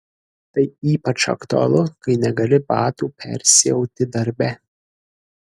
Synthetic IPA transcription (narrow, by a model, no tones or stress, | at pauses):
t̪ɐɪiːpɐt͡ʃɐ̰kt̪ʊɐ̰lˠʊkɐɪnʲɛɡɐlʲɪbɑːt̪uːpʲɛ̰ɾʲsʲɪjɛʊt̪ʲɪd̪ɐɾʲbʲɛ